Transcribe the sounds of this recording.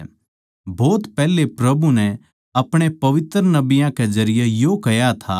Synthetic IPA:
bɔːt̪pɛːlepɾɐbunɛ | ɐpɽ̃epɐʋɪt̪ɾənɐbijãkezɐɾɪjejokɐjat̪ʰa

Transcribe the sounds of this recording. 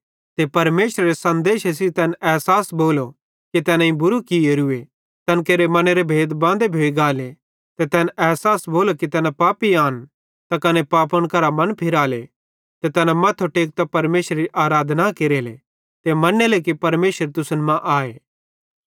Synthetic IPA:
t̪epɐɾmeːʃɾeɾesɐ̃nd̪eːʃes̬it̪ɛːnɛːɦsaːsboːlo | kit̪ɛːnãĩbʊɾukieɾʊe | t̪ɐnkeːɾemɐneɾebʱeːd̪bãːnd̪ebʱoːiɡaːle | t̪et̪ɛːnʔɛːɦsaːsboːlokit̪ɛːnapaːpiaːn | t̪akɐnepaːpəɽ̃kɐɾamɐnpʰɪɾaːle | t̪et̪ɛːnamɐt̪ʰːoʈeːk̚t̪apɐɾmeːʃɾeɾiʔaːɾaːd̪ʱnakeːɾeːlḛ | t̪emɐnelekipɐɾmeːʃəɾt̪ʊsənmãʔaːeː

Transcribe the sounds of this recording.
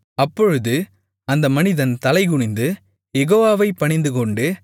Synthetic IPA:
ɐpːɔɻɯðɯ | ɐnd̪ɐmɐnɪðɐnt̪ɐlɐɪɣʊɳɪnd̪ɯ | jɛɣoːʋaːʋɐɪpːɐɳɪnd̪ɯkɔɳɖɯ

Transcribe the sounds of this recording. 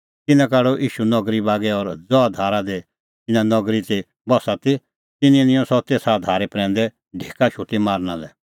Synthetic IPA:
t̪ɪnãkaːɽoʔiːʃunɔɡɾibaːɡɛɔɾd͡zɔad̪ʱaːɾad̪e | ɪnãnɔɡɾit̪i | bɔsat̪i | t̪ɪnĩnɪ̃ɔ̃sɔt̪eːsad̪ʱaːɾɛpɾɛ̃ːn̆d̪ɛ | ɖʱeːkaʃʰuʈimaːɾñãlɛ

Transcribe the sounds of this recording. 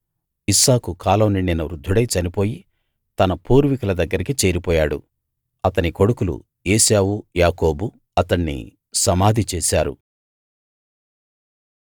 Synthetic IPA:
isaːkukʰaːlɐwnininːɐʋɾud̪ʱːuɽɐjt͡ʃɐnipo̞ːji | t̪ɐnɐpuːɾʋikɐlɐd̪ɐɡːɐɾikit͡ʃe̞ːɾipɔːjaːɽṵ | ɐt̪ɐniko̞ɽukulṵ | eːsaːwujaːko̞ːbu | ɐt̪ɐɳːḭ | sɐmaːd̪ʱit͡ʃeːsa̰ːɾṵ

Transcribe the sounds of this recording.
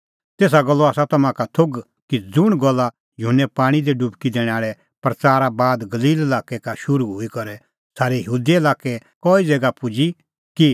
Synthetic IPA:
t̪eːs̬aɡɐlːoaːsat̪ɐmãkat̪ʰoɡ | kid͡zʊɽ̃ɡɐlːa | jʊɦnːɛpãːɽ̃id̪eɖubkid̪eːɽ̃aːɭɛ | pɾɐt͡saːɾabaːd̪ɡɐliːlɐlaːkɛkaʃʊɾuɦuikɐɾɛ | saːɾejəɦuːd̪iɐlaːkɛkɔːid͡zɛːɡapʊd͡ʒi | ki

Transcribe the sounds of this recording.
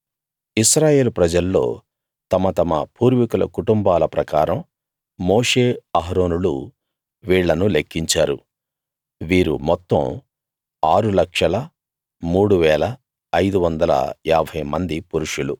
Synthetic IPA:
isɾaːje̞ːlupɾɐd͡ʒɐlːo̞̰ː | t̪ɐmɐt̪ɐmɐ̰puːɾʋikulɐ̰kuʈumbaːlɐpɾɐkaːɾɐmː | o̞ːʂe̞ːɐɦɾo̞ːnulṵ | ʋiːɭːɐnulekːiɲt͡ʃaːɾu | ʋiːɾṵmɔt̪ːɐ̰m | aːɾulɐkʂɐlɐ | muːɽuʋɛːlɐː | jd̪uʋɐnd̪ɐlɐ̰aːbʱɐjmɐnd̪ipuɾuʂulu

